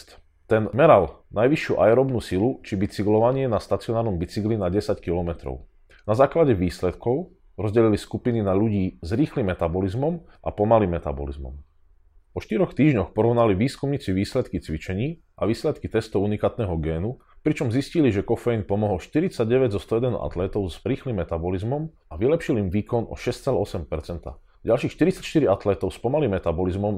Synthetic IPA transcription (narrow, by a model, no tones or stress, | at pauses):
t̪ | t̪ɛnmɛɾalnajʋiʃjuʔaɛɾɔbnuːsilut͡ʃibit͡siɡlɔʋaɲɪɛnast̪at͡siɔnaːɾnɔmbit͡siɡlinaɟɛsackilɔmɛt̪ɾɔ̰ʊ | nazaːklaɟɛʋiːslɛt̪kɔʊ | ɾɔzɟɛliliskupininaʎuɟiːzɾiːxlimːɛt̪abɔlizmɔmʔa̰pɔmalimːɛt̪a̰bɔ̰lḭzmɔ̰m | pɔʃt̪iɾɔxt̪iːʒɲɔxpɔɾɔʊnaliʋiːskumɲiːt͡siʋiːslɛt̪kit͡sʋit͡ʃɛɲiː | ʔaʋiːslɛt̪kit̪ɛst̪ɔʊunikaːt̪nɛːɦɔɡɛːnu | pɾit͡ʃɔmzisciliʒɛkɔfɛjinpɔmɔɦɔlʃt̪iɾit͡saɟɟɛʋɛɟzɔst̪ɔɛd̪ɛnṵʔa̰t̪lɛːt̪ɔʊzɾiːxlimːɛt̪abɔlizmɔm | aʋilɛpʃilimʋiːkɔnɔ̰ʃɛst͡sɛlɛɔsɛmpɛɾt͡sɛnt̪a̰ | ɟalʃiːxʃt̪iɾit͡sacʃt̪iɾiat̪lɛːt̪ɔʊspɔmalimːɛt̪abɔlizmɔm